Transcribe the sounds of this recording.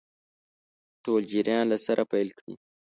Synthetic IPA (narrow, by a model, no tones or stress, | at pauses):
told͡ʒiɾjɑnlasaɾʔapajlkɽḭ